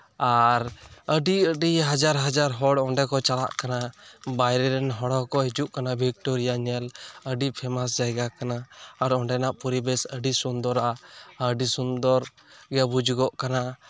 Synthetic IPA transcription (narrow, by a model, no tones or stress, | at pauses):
aɾəɖiəɖiɦad͡ʒaɾɦad͡ʒaɾɦɔɽɔɳɖɛkɔt͡ʃala̰ʔkanabajɾɛɾɛnɦɔɽɔkɔɦid͡ʒuʔkanabʱikʈɔɾijaɲɛləɖipʰɛmas̬d͡ʒajɡakanaːɾɔɳɖɛnaʔpuɾibɛsəɖisund̪ɔɾaʔaəɖisund̪ɔɾ | ɡɛɛbud͡ʒɡɔʔkana